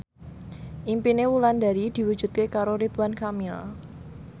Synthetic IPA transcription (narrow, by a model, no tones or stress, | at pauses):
ʔimpinewuland̪a̤ɾid̪̥i̤wu̥d͡ʒ̥ṳt̪̚kekaɾoɾit̪wankamil